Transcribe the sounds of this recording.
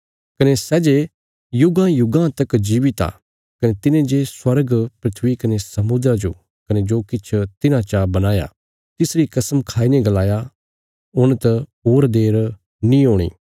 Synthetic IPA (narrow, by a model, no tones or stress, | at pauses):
kɐnesɛːd͡ʒe | jʊɡãjʊɡãt̪ɐkd͡ʒiːʋit̪a̰ː | kɐnet̪ɪnẽd͡ʒeswɐɾɡpɾɪt̪ʰʋikɐnesɐmʊd̪ɾad͡ʒo̰ | kɐned͡ʒoːkɪt͡ʃʰt̪ɪnãt͡ʃabɐnaːja̰ | t̪ɪsɾikɐsəmkʰaːineɡɐlaːja | ʊɽ̃t̪ɐoːɾd̪eːɾ | nĩoːɽ̃ḭː